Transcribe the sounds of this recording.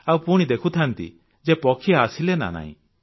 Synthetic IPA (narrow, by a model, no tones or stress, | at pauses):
awpuɽ̃id̪ekʰut̪ʰant̪ḭ | d͡ʒepɔkʰijaːsilena̰na̰ɦḭ̃